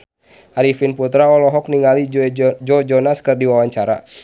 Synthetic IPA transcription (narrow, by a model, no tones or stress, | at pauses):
ʔaɾifinput̪ɾaɔlɔɦɔk̚niŋalid͡ʒɔɛd͡ʒɔd͡ʒɔnaskɨrdiwawaɲt͡ʃaɾa̰